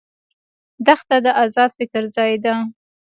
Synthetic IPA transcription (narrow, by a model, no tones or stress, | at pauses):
d̪axt̪ad̪əʔazɑfɪkɾzɑjd̪a